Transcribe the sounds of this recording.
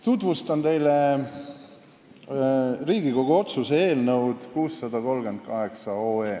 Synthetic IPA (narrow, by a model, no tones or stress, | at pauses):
t̪ut̪vust̪ɑnt̪e̞jle | riːɡ̥iko̞ɡ̥uo̞t̪susee̞ːlnɤwd̪̥kuːsːɑd̪ɑko̞lɡ̥e̞nd̪̥̚kɑɦe̞ksɑoːeː